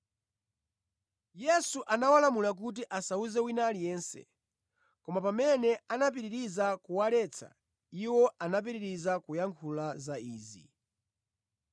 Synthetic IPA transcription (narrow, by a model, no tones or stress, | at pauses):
jɛsuʔanawalamulak̬ut̬iʔasauzɛwinalijɛːnsɛ̰ | kɔmapamɛnɛanap̬iɾiɾizakuwalɛt͡sʰa̰ | iwɔʔanap̬iɾiɾizakʰujaŋkʰulazaiːzḭ